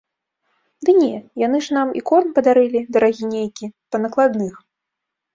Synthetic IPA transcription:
d̪ɨnʲɛjan̪ɨʐnamḭkɔnnpɐd̪aɾɨlʲid̪ɐɾaɣʲinʲejkʲipɐnɐklˠad̪nɨx

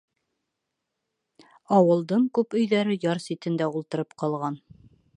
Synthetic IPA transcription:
ɑwɤ̆lˠd̪ɤɴkʉpɵ̆jðæɾɘjɑɾsit̪ɘ̆nd̪æulˠt̪ɤ̆ɾɤpqɑlˠʁɑn

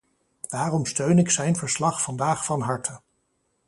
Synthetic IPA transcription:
d̥aːrɔmstøɥnɪksɛjnvəɹslɑχfɑndaːχfɑnɦɑɹtʰə

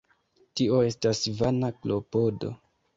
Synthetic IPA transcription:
tio̞e̞stasvanaklopo̞do̞̰

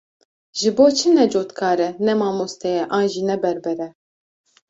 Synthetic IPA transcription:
ʒɨboːt͡ʃʰɨnɛd͡ʒoːt̪kʰɑːɾɛnɛmɑːmost̪ɛjɛʔɑːnʒiːnɛbɛɾbɛɾɛ

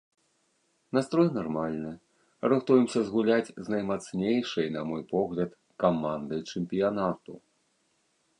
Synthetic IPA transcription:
nast̪ɾɔjnarmalʲnɨ | ɾɨxt̪ujɛmsʲɐzɣulʲat͡sʲznɐjmat̪snʲejʂɐjnɐmɔjpɔɣlʲɐt̪ | kamand̪ɨjt͡ʂɨmpʲijanat̪u

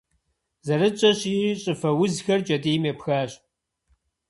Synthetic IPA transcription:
zɐɾɨt͡ʃʼɐɕiːɕʼɨfɐwʊzxɐrt͡ʃʼɐdiːmeːpxaːɕ

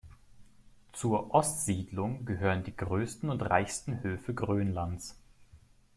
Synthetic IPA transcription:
t͡suːɐʔɔstz̥iːdlʊŋɡəɦøːʁəndiːɡʁøːstn̩ʊntʁa̰ɪçstn̩høːfəɡʁøːnlans

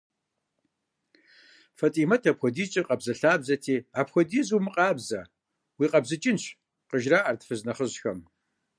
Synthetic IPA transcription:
fɐtʼiːmɐtʰɐpxʷɔdiːt͡ʃʼiqʼɐbzɐɬaːbzɐtʰiːaːpxʷɔdiːzumɨqʼɑːbzɐ | wiːqʼɐbzɨt͡ʃʼɪnɕ | qəʒraːʔɐrtfɨznɐχəʑxɐm

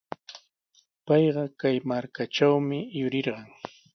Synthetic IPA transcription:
pɑjɢɑkajmaɾkaʈ͡ʂawmɪjʊɾɪɾɢɑŋ

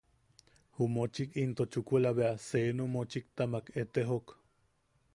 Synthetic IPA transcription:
humot͡ʃikint̪ot͡ʃukʷelaβeaseːnomot͡ʃik̚t̪amaket̪eɦok

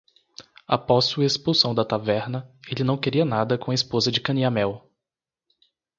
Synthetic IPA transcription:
apɔsːuɐespuwsɐ̃w̃d̪ɐt̪avɛɾnɐelɪnɐ̃w̃keɾiɐnad̪ɐkõɐespozɐd͡ʒɪkɐ̃niamɛw

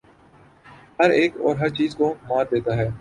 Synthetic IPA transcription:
hɐɾeːkɔ̰ːɾɦɐɾt͡ʃiːzkomaːɾd̪eːt̪aɦɛː

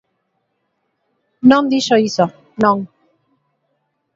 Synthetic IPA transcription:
nɔmd̪iʃɔisɔ | nɔŋ

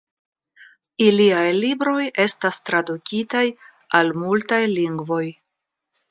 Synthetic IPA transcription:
iliajlibɾo̞je̞stastɾadukʲitaj | almultajliŋɡvo̞j

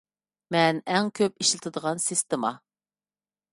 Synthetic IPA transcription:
mɛnɛŋkʲʰøpiʃlˠɨt̪ʰɨd̪əʁɑnsist̪ɪmɑ

